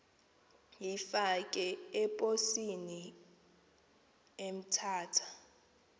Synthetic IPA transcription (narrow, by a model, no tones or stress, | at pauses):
jifakʼɛɛpʼosini | em̩tʰaːtʰḁ